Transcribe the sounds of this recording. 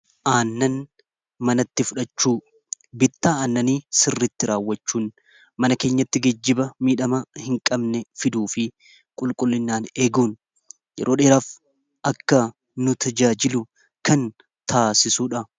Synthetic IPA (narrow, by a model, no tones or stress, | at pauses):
ʔaːnːɐn | mɐnɐt̪ːɪfʊᶑɐt͡ʃːuː | bɪt̪ːaːaːnːɐniːsɪrːɪt̪ːɪɾaːwːɐt͡ʃːuːn | mɐnɐke̞ːɲːɐt̪ːɪɡɛd͡ʒːɪbɐmiːᶑɐmɐhɪŋkʼɐbnɛfɪd̪uːfɪ | kʼʊlkʼʊlːɪnːaːne̞ːɡuːn | jɛ̰ɾʔoːᶑe̞ːɾaːf | ʔɐkːɐ | nʊt̪ʰɐd͡ʒaːd͡ʒɪlʊ | kʰɐn | t̪ʰaːsɪsuːᶑɐ